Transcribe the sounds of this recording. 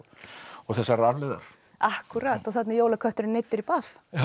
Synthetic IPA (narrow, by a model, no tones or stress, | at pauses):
ɔɣθɛsːaɾɾaɾlɪða̰ɾ̥ | ahkyɾat̪ɔɣθat̪nɪɾjoːwlakʰœht̪ʏɾɪnejt̪ːɪɾipaθ